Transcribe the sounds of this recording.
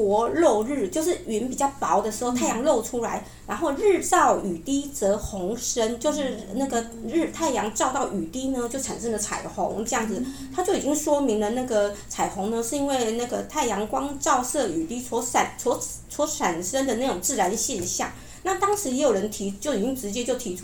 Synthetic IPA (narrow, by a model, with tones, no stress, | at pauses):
wɔ˧˥lo˥˧ʊɻɻ̩˥˩t͡ɕjo˥˧ʊʂɻ̩˥˩y˨ə˧˦npi˨˩t͡ɕɑ˥˩ʊpɑ˨˧˥ʊd̪ə˨ʂɻ̩˧xʊt̪ʰa˥˩ɪjɑ˧˥ŋlo˥˩ʊʈ͡ʂʰu˥la˧˥ɪ | ɻa˧˥nxo˥˧ʊɻ̩˥˧t͡sɑ˥˩ʊy˨˩t̪i˥t͡sɤ˧˥xʊ˧˥ŋʂə˥nt͡ɕjo˥˧ʊʂɻ̩˥˧na˥˩ɡə˩ | ɻ̩˥˧t̪ʰa˥˩ɪjɑ˧˥ŋʈ͡ʂʊt̪ɑ˥˩ʊʔy˨˩t̪i˥nə˧t͡ɕjo˥˩ʊʈ͡ʂʰa˨˩nʂə˥ŋlə˨˩t͡sʰa̰˨˩ɪxʊ̰˧˥ŋʈ͡ʂɤ˥˧jɑ˥˩ŋd͡zɹ̩˨˩ | t̪ʰa˥t͡ɕjo˥˩ʊi˨˩t͡ɕi˥ŋʂwɔ˥mi˧˥ŋlə˧na˥˩ɡə˨˩t͡sʰa˨˩ɪxʊ˧˥ŋnə˧ʂɻ̩˥˩i˥nwe˥˧ɪna˥˩ɡə˩t̪ʰa˥˩ɪjɑ˧˥ŋkwɑ˥ŋʈ͡ʂɑ˥˧ʊsɤ˥˩y˨˩t̪i˥t͡sʰwɔ˧˥sa˨˩nt͡sʰwɔ˧˥ | t͡sʰwɔ˧˥ʂa˨˩nʂə˥nd̪ə˨na˥˩ʊ˨˩ŋt͡sɹ̩˥˩ɻa˧˥nd̪ə˧ɕjɛ˥˧nɕjɑ̰˥˩ŋ | na˥˨˩t̪ɑ˥ŋʂɻ̩˧˥jɛ˧˥jo˨˩ɻə˧˥nt̪ʰi˧˥t͡ɕjo˥˩ʊi˨˩t͡ɕi˥ŋʈ͡ʂɻ̩˧˥t͡ɕjɛ˥t͡ɕjo˥˩ʊt̪ʰi˧˥ʈ͡ʂʰu˥